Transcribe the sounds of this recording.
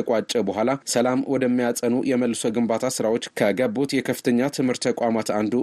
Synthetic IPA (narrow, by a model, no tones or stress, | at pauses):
əkʼat͡ʃʼɛbəɦʷalasəlamwɔd̪əmːijat͡sʼənujɛməlːɨso̞ɡɨmbat̪ʰasɨɾawo̞t͡ʃːkʰəɡəbot̪jɛkʰəfɨt̪ʰəɲːat̪ʰɨmhɨɾt̪ʰːəkʷʼamat̪and̪u